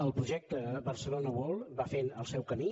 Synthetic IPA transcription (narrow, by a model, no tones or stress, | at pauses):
əlˠpɾuʒɛk̚t̪əβərsəlonəβɔlˠβafenəlˠsɛwkəmi